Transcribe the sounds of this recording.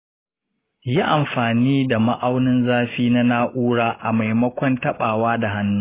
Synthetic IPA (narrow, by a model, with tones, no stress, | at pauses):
ji˦ʔa˨mɸaː˨niː˦da˨ma˦ʔa˦wnɪ˦nzaː˦ɸiː˦na˦naː˦ʔuː˦ɽaː˦ʔa˨ma˨jmɐ˦kʷɔ˦ntɐ˦ɓaː˨waː˦da˨ɦa˦nːuː˦